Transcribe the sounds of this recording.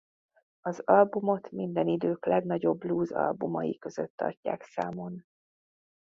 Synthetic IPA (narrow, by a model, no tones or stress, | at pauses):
ɒzɒlbumo̞t̪mind̪ɛnid̪øːklɛɡnɒɟo̞bluːzɒ̰lbumɒ̰jikø̞zøt̪ːɒ̰rca̰ːksaːmo̞n